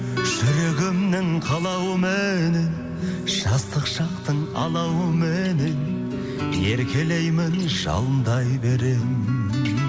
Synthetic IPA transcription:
ʒ̥ʏɾeɡʲɪmnɪŋqʰɑlˠɑwəmenen | ʒ̥ɑst̪əqʃɑqt̪əɴɑ̰lˠɑwəmenen | e̞ɾkʲe̞le̞jmɪnʒ̥ɑ̰lˠənd̪ɑjbeɾe

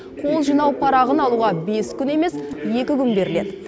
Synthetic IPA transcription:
qʰo̞lˠʒijnɑwpʰɑɾɑʁənɑlˠuʁɑbe̞skʲʰʏne̞me̞sje̞kʲɪkʲʰʏnbe̞ɾɪled̪ɪ

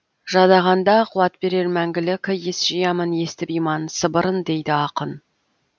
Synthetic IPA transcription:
ʒɑd̪ɑʁɑnd̪ɑqʰuwɑt̪be̞ɾe̞ɾmæŋɡʲɪlɪkʲʰəjesʒ̥əjɑməne̞st̪ɪpijmɑnsəbəɾənd̪e̞jd̪ɪɑqən

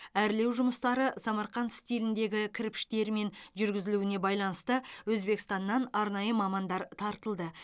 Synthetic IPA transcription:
æɾɪle̞wʒʊməst̪ɑɾəsɑmɑɾχɑnst̪ilɪnd̪e̞ɡʲɪkʲʰɪɾɪpʃt̪e̞ɾme̞nʒʏɾɡʲɪzɪluɪne̞bɑjlˠɑnəst̪əwɵzbe̞kst̪ɑnːɑnɑɾnɑjəmɑmɑnd̪ɑɾt̪ʰɑɾt̪əlˠd̪ə

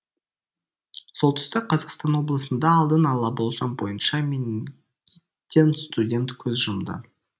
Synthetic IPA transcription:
so̞lˠt̪ʰʏ̥st̪ɑqʰɑzɑqst̪ɑnwo̞blˠəsənd̪ɑːlˠd̪ənɑlˠɑbo̞lˠʒɑnbo̞jənʃɑmʲenʲ | i | t̪ʲːenst̪udʲe̞nt̪kʲʰɵzʒʊmd̪ə̰

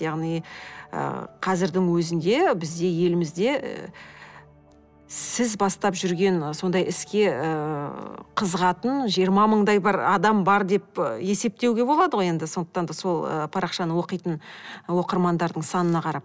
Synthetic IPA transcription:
jɑʁnijə̰qʰɑzɪɾd̪ɪŋwɵzɪnd̪e̞bɪzd̪e̞je̞lɪmɪzd̪e̞̰ | sɪzbɑst̪ɑpʒʏɾɡʲe̞nso̞nd̪ɑjʔɪskʲe̞ | qʰəzəʁɑt̪ənʒijəɾmɑməɴd̪ɑjbɪɾɑd̪ɑmbɑɾd̪e̞p̚e̞se̞p̚t̪ewɡʲe̞bo̞lˠɑd̪əʁoje̞nd̪ɪso̞nd̪əq̚t̪ɑnd̪ɑso̞lˠə̰pʰɑɾɑχʃɑnəwo̞qəjt̪ənwo̞qəɾmɑnd̪ɑɾd̪əɴsɑnənɑqʰɑɾɑp̚

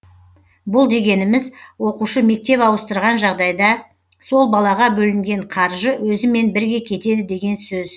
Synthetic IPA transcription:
bʊlˠd̪e̞ɡʲe̞nɪmɪzwo̞quʃəme̞k̚t̪e̞pɑwəst̪əɾʁɑnʒɑʁd̪ɑjd̪ɑ | so̞lˠbɑlˠɑʁɑbɵlɪmɡʲe̞ɴqʰɑɾʒəwɵzɪme̞nbɪɾɡʲe̞kʲʰe̞t̪e̞d̪ɪd̪e̞ɡʲe̞nsɵz

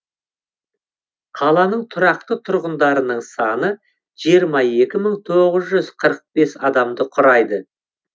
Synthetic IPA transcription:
qʰɑlˠɑnəɴt̪ʰʊɾɑq̚t̪ət̪ʰʊɾʁənd̪ɑɾənəɴsɑnə | ʒ̥ijəɾmɑje̞kʲɪməɴt̪ʰo̞ʁəzʒʏzqʰəɾəq̚be̞sɑd̪ɑmd̪əqʰʊɾɑjd̪ə

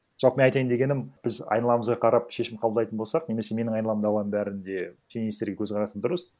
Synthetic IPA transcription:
ʒɑlˠpəmeɑjt̪ɑjɪnd̪e̞ɡʲe̞nɪmb̥ɪzɑ̰jnɑlˠɑməzʁɑqʰɑɾɑpʃe̞ʃɪmqʰɑlbˠld̪ɑjt̪ənbo̞lˠsɑqneme̞se̞me̞nɪŋɑjnlˠɑmd̪ɑʁʁɑnəmbæɾɪnd̪e̞t̪ʰʲemiist̪eɾɡʲekʲʰɵzqʰɑɾɑsənd̪ʊɾəs

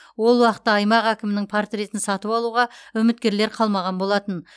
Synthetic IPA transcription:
wo̞lˠwɑqət̪ːɑːjmɑqækʲɪmɪnɪŋpʰart̪rʲe̞t̪ɪnsɑt̪əpɑlˠuʁɑʏmɪt̪̚kʲe̞ɾle̞ɾqʰɑlˠmɑʁɑnbo̞lˠɑt̪ən

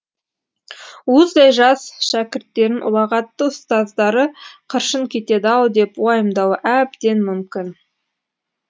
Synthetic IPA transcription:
wozd̪ɑjʒɑsʃækʲɪɾt̪ːe̞ɾɪnʔʊ̰lˠɑʁɑt̪ːəʊst̪ɑzd̪ɑɾəqʰəɾʃəŋkʲʰe̞t̪e̞d̪ɪɑlˠd̪e̞pwɑjəmd̪ɑwəʔæbd̪e̞nmʏmkʲɪn

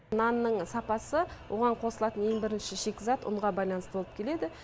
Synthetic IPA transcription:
nɑnːəɴsɑpɑsəwʔo̞ʁɑɴqʰo̞səlˠɑt̪əneŋbɪɾɪnʃɪʃe̞kʲzɑt̪ʊ̰ɴʁɑbɑjlˠɑnəst̪əboəp̚kʲʰe̞le̞d̪ɪ

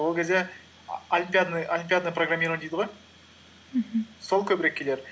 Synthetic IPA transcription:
wo̞lˠkʲʰe̞zd̪e̞ | ɐlʲimpʲijad̪nɨolʲimpʲijad̪ənəproɡramʲːiɾod̪ejd̪əʁoj̩ | ɦ̩so̞lˠkʲʰɵbɪɾekʲːʰe̞le̞ɾ

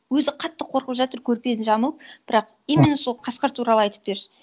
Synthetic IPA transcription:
wɵzɪqʰɑt̪ːəqʰo̞ɾqəpʒɑt̪əɾkʲʰɵɾpe̞nɪʒɑməlˠəp̚b̥ɪɾɑq | emenɪsolˠqʰɑsqɑɾt̪ʰuɾɑlˠəɑjt̪ə̥p̚be̞ɾʃɪ̥

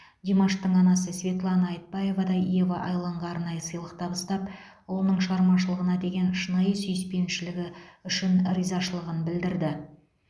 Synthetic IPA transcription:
d̪ʲemoʃt̪əɴɑnɑsəsvʲe̞t̪lˠɑnɑːjt̪̚bɑje̞vɑd̪ɑijevɑʔɑjlˠɑɴʁɑɑɾnɑjəsəjlˠəq̚t̪ʰɑbəst̪ɑp | wo̞lˠnəɴʃəʁɑɾmɑʃəlˠəʁənɑd̪e̞ɡʲe̞nʃənɑjəsʏjɪspe̞nʃɪlɪɡʲɪʏʃɪnɾijzɑʃəlˠəʁənbɪld̪ɪɾd̪ɪ

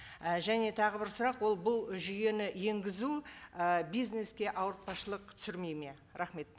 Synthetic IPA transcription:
əʒæne̞t̪ʰɑʁəbɪɾsʊɾɑqwo̞lˠbʊlˠʒʏje̞nɪje̞ŋɡʲɪzuəbijzne̞skʲe̞ʔɑwəɾt̪̚pɑʃəlˠəq̚t̪ʰʏ̥sɪɾmejme̞ | ɾɑχme̞t̪̚

